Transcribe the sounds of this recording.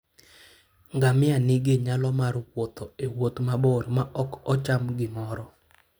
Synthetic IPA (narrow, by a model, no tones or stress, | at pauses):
ŋɡamɪanɪɡɪɲalɔmaɾkwɔt̪ɔewot̪mabɔɾmaʔɔkɔt͡ʃamɡɪmɔɾɔ